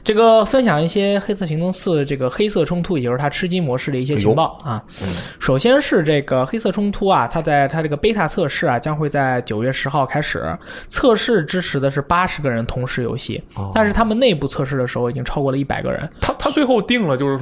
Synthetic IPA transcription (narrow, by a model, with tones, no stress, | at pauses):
ʈ͡ʂɤ˥˩ɡə˩fə˥nɕjɑ˨˩ŋi˥˩ɕjɛ˥xe˥ɪsʰɤ˥˩ɕi˧˥ŋt̪ʊ˥˧ŋsɹ̩˥˧ʈ͡ʂɤ˥˩ɡə˩xe˥ɪsɤ˥˩ʈ͡ʂʰʊ˥ŋt̪ʰu˥i˨˩˧t̪ʰa˥ʈ͡ʂʰɻ̩˥t͡ɕi˥mwɔ˧˥ʂɻ̩˥˩d̪ə˩i˥˩ɕjɛ˥t͡ɕʰi˧˥ŋ˥pɑ˥˩ʊɐ˩ | ʂo˨˩ʊɕjɛ˥nʂɻ̩˥˧ʈ͡ʂɤ˥˩ɡə˩xe˥ɪsɤ˥˩ʈ͡ʂʰʊ˥ŋt̪ʰu˥ɐ˨t̪ʰa˥t͡sa˥˩ɪt̪ʰa˥ʈ͡ʂɤ˥˩ɡə˩pe˥tʰa˥˧t͡sʰɤ˥˧ʂɻ̩˥˩ɐ˩t͡ɕjɑ˥ŋxwe˥˧ɪt͡sa˥˩ɪt͡ɕjo˨˩ʊɥɛ˥˩ʂɻ̩˧˥xɑ˥˩ʊkʰa˥ɪʂɻ̩̰˨˩˦ | t͡sʰɤ˥˧ʂɻ̩˥˩ʈ͡ʂɻ̩˥ʈ͡ʂʰɻ̩˧˥d̪ə˧ʂ̬ɻ̩˥˩pa˥ʂɻ̩˧˥ɡə˧ɻə˧˥nt̪ʰʊ˧˥ŋʂɻ̩˧˥jo̰˧˥ʊɕḭ˥˩t̪a˥˧nʂɻ̩˥˩t̪ʰa˥mə˨ne˥˧ɪpu˥˧t͡sʰɤ˥˧ʂ̬ɻ̩˥˩d̪ə˩ʂɻ̩˧˥xo˥˩ʊi˨˩t͡ɕi˥ŋʈ͡ʂʰɑ˥ʊkwɔ˥˩lə˩˦i˥˩pa˨˩ɪɡə̰˧ɻə̰˧˥nt̪ʰa˥t̪ʰa˥t͡swe˥˧ɪxo˥˧ʊt̪i˥˩ŋlə˩t͡ɕjo˥˧ʊʂɻ̩˥˩